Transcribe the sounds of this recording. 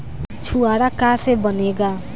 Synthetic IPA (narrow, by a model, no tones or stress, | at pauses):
t͡sʰuaɾakasebʌneɡa